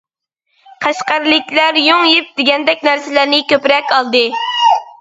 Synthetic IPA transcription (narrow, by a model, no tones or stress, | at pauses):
qʰɑʃqɑɾlɪkʲlæɾjoŋjip̚d̪ɪɡʲɛnd̪ɛkʲnæɾsɪlæɾnɪkʲøpɾɛkʲɑlˠd̪ɨ